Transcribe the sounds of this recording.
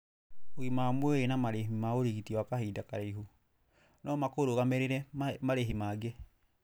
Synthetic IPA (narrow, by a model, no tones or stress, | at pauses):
oimamwɛenamaɾeɦimaoɾiɣitiwakaɦidakaɾeiɦu | nɔmakoɾoɣamɛɾeɾɛmaɾeɦimaːɡe